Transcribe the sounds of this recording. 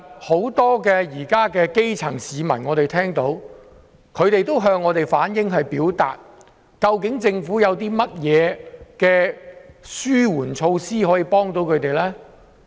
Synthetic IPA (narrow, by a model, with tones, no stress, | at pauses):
ho˨˥wt̪ɔː˥kɛː˧jiː˨˩kaː˥kɛː˧ke˥jt͡sʰɐ˨˩ŋsiː˨˧mɐ̰˨˩nŋɔː˨˧t̪e˨jt̪ʰɛː˥ŋt̪o˨˥w | kʰɵ˨˧ɥt̪e˨jt̪o˥wɦœː˧ŋːɔː˨˧t̪e˨jfaː˨˥njɪ˥ŋɦɐ˨jpiː˨˥wt̪a̰ː˨t̚ | kɐ˧wkɪ˨˥ŋt͡sɪ˧ŋfuː˨˥jɐ˨˧wt̪iː˥mɐ˥t̚jɛː˨˧kɛː˧ | syː˥wuː˨˩nt͡ʃʰo˧wsiː˥hɔː˨˥jiː˧pɔː˥ŋt̪o˨˥wkʰɵ˨˧ɥt̪e˨jlɛː˥